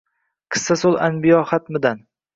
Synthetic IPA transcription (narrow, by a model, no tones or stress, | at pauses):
qʰɨ̥sːasolˠanbɪjɒχat̪mɪd̪an